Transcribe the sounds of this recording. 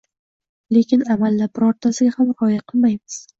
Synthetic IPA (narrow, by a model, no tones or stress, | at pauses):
le̞kʲɪnamalːabɪɾɒɾt̪ʰasɪɡʲahamɾɒjaqʰɨlˠmajmɪz̥